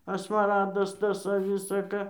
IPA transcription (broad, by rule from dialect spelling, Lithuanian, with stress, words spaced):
ɐ smɐˈrɑːdɐs ˈtɐs ɐ ˈʋʲɪsɐ ˈkɐ